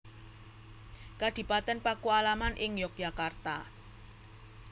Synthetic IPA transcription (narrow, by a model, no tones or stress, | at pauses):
kad̪̥i̤pat̪ɛnpakualamanʔɪŋjɔk̚j̥a̤kart̪a